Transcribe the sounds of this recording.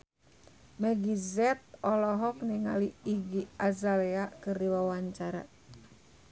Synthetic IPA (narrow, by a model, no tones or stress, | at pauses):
mɛɡizɛt̪̚ɔlɔɦɔk̚niŋaliiɡiazalɛakɨrdiwawaɲt͡ʃaɾa̰